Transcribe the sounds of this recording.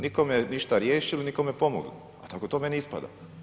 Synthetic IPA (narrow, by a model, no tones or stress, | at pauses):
nikomjeniʃt̪aɾjeːʃilinikomjepo̞mo̰ɡl | a̰t̪akot̪oːme̞nispa̰d̪a̰